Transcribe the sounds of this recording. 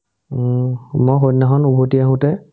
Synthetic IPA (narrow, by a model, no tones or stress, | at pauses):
mɔɦotnaɦɔnubʱotiaɦũtɛ